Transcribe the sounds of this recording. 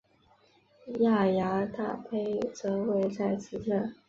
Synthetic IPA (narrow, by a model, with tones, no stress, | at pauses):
ja˥˩ja˧˥t̪a̰˥˩pʰe˥ɪt͡sɤ˧˥we˥˧ɪt͡sa˥˩ɪt͡sʰɹ̩˥ʈ͡ʂʰə˥˩n